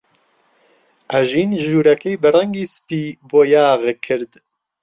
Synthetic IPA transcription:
ʔæʒiːnʒuːɾɛkejbɨrɛŋɡiːspiːboːjaːɣkʰɨɾd̪

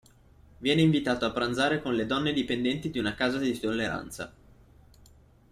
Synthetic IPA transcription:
vjɛːneiɱvit̪aːt̪oapːɾanzaːɾekonled̪ɔnːed̪ipend̪ɛnt̪id̪iunakaːzad̪it̪olːeɾa̰nt̪sa̰

